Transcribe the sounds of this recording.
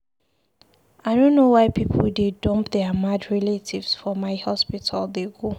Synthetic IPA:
aɪdõnːowaɪpʰipʰəldedɔ̃mpðɛmadɹɛletʰivsfɔmaɪhɔspitʰaldeɡo

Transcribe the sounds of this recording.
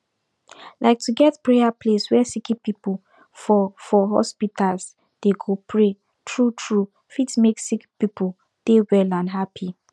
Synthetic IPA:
lʔaɪk̚tʰuɡɛtpɹeapʰleswɛsikipipu | fɔfɔɦɔ̰spitʰals | d̥eɡopʰɹe | tʰɹutʰɹu | fitmeksikpipu | d̥ewɛlãnɦapʰi

